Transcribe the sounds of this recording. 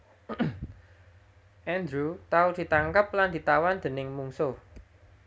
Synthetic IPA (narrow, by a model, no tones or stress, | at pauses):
ʔɛnd̪ɾut̪aud̪̥i̤t̪aŋkəp̚land̪̥i̤t̪awand̪̥ə̤nɪŋmuŋso